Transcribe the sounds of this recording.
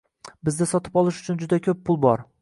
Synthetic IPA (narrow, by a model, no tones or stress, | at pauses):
bɪzd̪ɪsɒt̪ʰɪ̥pɒlˠɪʃʊ̥t͡ʃʰʊnd͡ʒʊd̪akʲʰɵpʰːʊlˠbɒɾ